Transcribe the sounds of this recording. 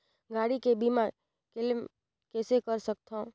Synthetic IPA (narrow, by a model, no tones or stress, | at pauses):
ɡaːɽikebiːma | kɪlm | kɛːsekəɾsək̚t̪ʰã